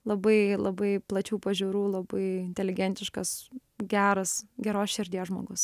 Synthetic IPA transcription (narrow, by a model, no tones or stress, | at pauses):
lˠɐbɐɪlˠɐbɐɪplˠɐt͡ʃʲuːpɐʒʲuːɾuːlˠɐbɐɪɪnʲt̪ʲɛlʲɪɡʲɛnʲt̪ʲɪʃkɐs | ɡʲæːɾɐsɡʲɛɾoːsʃʲɪɾʲd̪ʲijoʒmoːɡʊs